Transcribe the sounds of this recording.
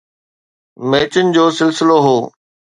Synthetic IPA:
meːt͡ɕənɪ̆d͡ʑoːsɪlsɪloɦoː

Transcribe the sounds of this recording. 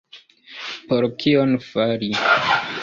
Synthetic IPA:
poɾkʰionfaɾi

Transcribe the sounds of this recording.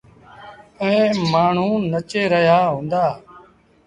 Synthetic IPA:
əẽːmaːɳ̤ũːnət͡ʃeːɾəɦjaːɦõːnd̪aː

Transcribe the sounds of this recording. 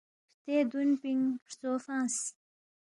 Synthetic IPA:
pt̪ed̪unpiŋpɾt͡soːfãːs

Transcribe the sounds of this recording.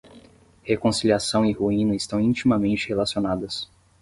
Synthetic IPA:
hekõsiliasɐ̃w̃ɪhuĩnɐɪst̪ɐ̃w̃ĩt͡ʃimɐmẽnt͡ʃɪhelasionad̪ɐs

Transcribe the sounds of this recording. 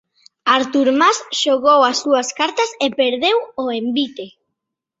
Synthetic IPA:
aɾt̪uɾmasʃoɣowasːuaskaɾt̪ɐsepeɾðewoembit̪e

